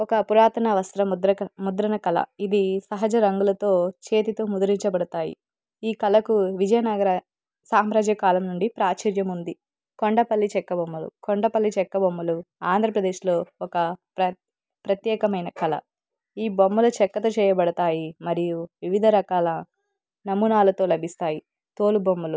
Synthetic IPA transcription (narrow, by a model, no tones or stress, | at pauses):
ɔkɐpuɾaːt̪ɐnɐʋɐst̪ɾɐd̪ɾɐmud̪ɾɐnɐkɐlɐ̰id̪isɐɦɐd͡ʒɐɾɐŋɡulɐt̪o̞ːt͡ʃeːt̪it̪o̞ːmud̪uɾiɲt͡ʃɐbɐɽɐt̪aːjḭ | iːkɐlɐkuʋid͡ʒɐjɐnɐɡɐɾɐ | saːmɾaːd͡ʒjɐkaːlɐmnuɳɖipɾaːt͡ʃɐɾjɐmund̪i | koɳɖɐpɐlːit͡ʃɛkːɐbɐmːulṵkoɳɖɐpɐlːit͡ʃɛkːɐbɐmːuluaːnd̪ʱɾɐpɾɐd̪e̞ːʃlo̞ːɔkɐpɾɐ | pɾɐt̪jɛːkɐmɐjnɐkɐlɐ̰ | iːbɐmːulɐt͡ʃɛkːɐt̪ɐt͡ʃɛːjɐbɐɽɐt̪aːjimɐɾijuʋiʋid̪ʱɐɾɐkaːlɐ | nɐmunaːlɐt̪o̞ːlɐbʱist̪aːji | t̪o̞ːlubɐmːulu